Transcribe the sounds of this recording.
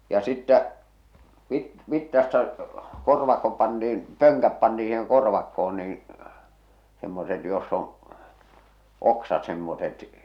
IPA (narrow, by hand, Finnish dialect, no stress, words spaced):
jɑ sitːæ ʋit ʋitːɑstɑ korʋɑkːo pɑntiːn pøŋkæp pɑntii siːheŋ korʋɑkːoon niːĩ semːoset josː on̞ oksɑt semːoset